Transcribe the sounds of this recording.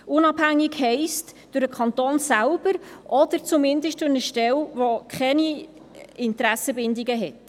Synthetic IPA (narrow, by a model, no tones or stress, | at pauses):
ʊnɑbhæŋːiɡhɛɪstd̥ʊɾəkχɑnt̪oːnsælb̥əɾʔɔd̥əɾt͡sumɪndəʃt̚d̥ʊɾnəʃtɛlvokʰχɛni | ɪntɾæsəbɪndiɡəɦɛt